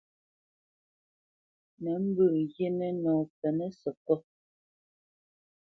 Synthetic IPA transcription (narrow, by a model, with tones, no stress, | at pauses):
nɛ˨˦m̩˦bʉ˦˨ʔje˦nɛ˦nɔː˨pɛ˨nɛ˦sɔ˨kɔ˦